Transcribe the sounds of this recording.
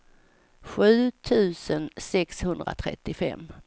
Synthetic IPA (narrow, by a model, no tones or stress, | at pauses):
ɧʉ̟ːt̪ʰʉ̟ːsənsɛkshɵnd̪ɾa̰t̪ʰɾɛ̰t̪ːɪfɛ̰mː